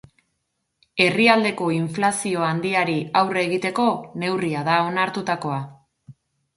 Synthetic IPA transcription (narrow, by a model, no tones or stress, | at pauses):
e̞riald̪e̞ko̞iɱflasio̞and̪iaɾiawre̞ɣit̪e̞ko̞ne̞wriað̞ao̞naɾt̪ut̪ako̞a